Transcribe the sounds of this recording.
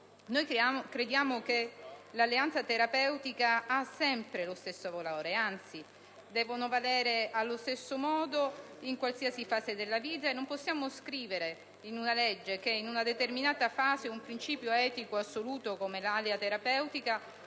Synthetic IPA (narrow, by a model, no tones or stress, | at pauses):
nojkɾed̪jaːmokelalːeant̪sat̪eɾapɛwt̪ikaasːɛmpɾelost̪esːovoloːɾeant̪si | d̪ɛːvonovalɛːɾealːost̪esːomɔːd̪oiŋkwalsiːasifaːzed̪elːaviːt̪̬aenːomposːjaːmoskɾiːveɾe | inunaled͡ʒːek̟einunad̪et̪erminaːt̪afaːzeumpɾint͡ʃiːpjoɛːt̪ikoasːoluːt̪okomelaleat̪eɾapɛwt̪ika